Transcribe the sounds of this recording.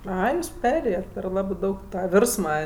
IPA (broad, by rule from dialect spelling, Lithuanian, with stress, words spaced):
ˈɐɪ ˈjuːs ˈpʲæːrʲeːjɛt pʲɛr ˈlˠɑːbɜ ˈdɐʊk ˈtɑː ˈʋʲɪrsmɐ